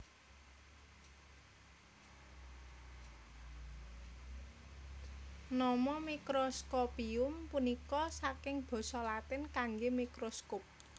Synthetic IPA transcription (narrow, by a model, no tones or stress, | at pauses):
nɔmɔmikɾoskopiʊmpunikɔsakɪŋb̥ɔ̤sɔlat̪ɪnkaŋɡemikɾoskop̚